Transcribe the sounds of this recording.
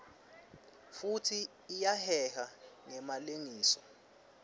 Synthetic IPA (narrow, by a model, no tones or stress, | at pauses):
futʰiː | jahɛhaŋɛmaleŋiːsɔ